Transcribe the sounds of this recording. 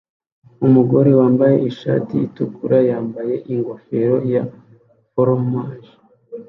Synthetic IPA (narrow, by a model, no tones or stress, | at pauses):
umuɡo̞ɾe̞waːmbaje̞̰ʔiʃa̰ːtijitukʰuɾajaːmbaje̞ʔiŋɡo̞fe̞ɾo̞ja | foɾomaːʒi̥